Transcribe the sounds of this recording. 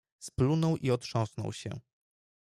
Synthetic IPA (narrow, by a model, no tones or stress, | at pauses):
splunɔwʔiɔtʂɔ̃w̃snɔ̰wɕɛ̰